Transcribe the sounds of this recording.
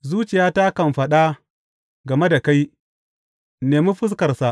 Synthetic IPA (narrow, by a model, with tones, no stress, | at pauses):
zuː˦t͡ʃɪ˨jaː˦taː˦kɐ˨mɸɐ˨ɗa˦ | ɡɐ˨me˦da˨ka˦j | neː˨mu˦ɸʊ˦s̬kɐ˨rsa˨ʔ